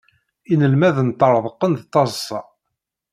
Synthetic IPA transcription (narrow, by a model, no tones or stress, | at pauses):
inəlmæðənt̪ːəɾˤðˤəqːənðt̪ˤːɑzˤsˤːɑ